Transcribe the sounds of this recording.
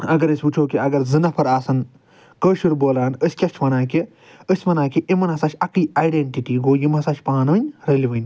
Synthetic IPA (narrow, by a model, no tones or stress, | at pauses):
ɐɡɐɾɐsʲput͡ʃʰoːkiɐɡɐɾzɨnɐpʰɐɾaːsɐn | kəːʃuɾboːlaːnəsʲkʲɐt͡ʃʰʋɐnaːki | əsʲʋɐnaːkiʔimɐnɦɐsɐt͡ʃʰʲɐkɨːaːjɖeɳʈiʈiːɡoːjimɐsɐʃʰʲpaːnʋɨnʲɾɐliʋɨnʲ